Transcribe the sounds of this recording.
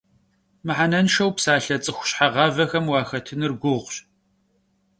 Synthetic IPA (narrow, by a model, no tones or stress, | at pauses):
mɨħanɐnʃɐwpsaːɬɐt͡sʼɨxʷʊ̥ɕħaʁɑːvɐxɐmwɑːxɐtʰɨnɨrɡʷʊʁʷɕ